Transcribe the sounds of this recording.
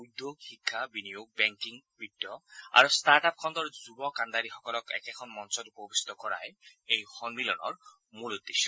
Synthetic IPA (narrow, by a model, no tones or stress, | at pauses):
ujd̪joɡhikʰːabinijoɡ̚bɛŋkiŋbidːɔa̰ɹustaɹʈap̚kʰɔnd̪ɔɹzubɔkand̪aɾixɔkɔlɔkɛ̰kɛkʰɔnmɔnsɔtupɔbisi̥t̪ɔkɔɹa̰jejxɔnmilɔnɔ̰ɹ | mulud̪ːesʃɔ